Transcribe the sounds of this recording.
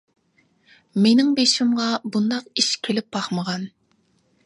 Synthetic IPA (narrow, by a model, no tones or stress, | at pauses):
menɪŋbeʃɪmʁɑbund̪ɑqiʃkʲʰelɪp̚bɑχməʁɑn